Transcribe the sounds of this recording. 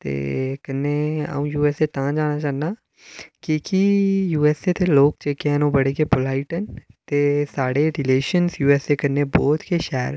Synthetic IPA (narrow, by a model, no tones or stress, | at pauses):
t̪ḛːkənːeːa̰ũːjuːɛːseːt̪ãːd͡ʒãːñaːt͡ʃãːnːaː | kikijuːɛːset̪eːloːk̚t͡ʃeːkeɛnõːbəɽeːkeːbʊlaːiʈənt̪eːsaːɽeːɾɪleːʃənsjuːɛːseːkənːeːbɔːt̪keːʃɛːɾ